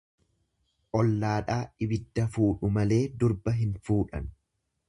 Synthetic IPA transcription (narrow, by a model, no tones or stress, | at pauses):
ʔɔlːaːᶑaːʔɪbɪd̪ːɐfuːᶑʊmɐle̞ːd̪ʊɾbɐɦɪnfuːᶑɐ̰n